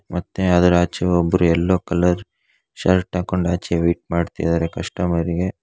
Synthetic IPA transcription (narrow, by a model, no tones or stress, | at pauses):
mɐt̪ːeɐd̪ɐɾaːt͡ʃɐʋɔbːɐɾuɛlːoːkɐlɐɾ | ʃɐɾʈaːko̞ɳɖaːt͡ʃiɡeʋiːʈ̚maːɖt̪ḭjd̪aːɾekɐʂʈɐmɐɾiɡe̞